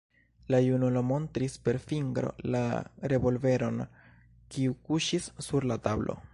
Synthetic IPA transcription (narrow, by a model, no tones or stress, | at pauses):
lajunulomo̞ntɾispe̞ɾfiŋɡɾo̞̰la̰ɾe̞vo̞lve̞ɾo̞n | kiukuʃisːuɾlatablo̞̰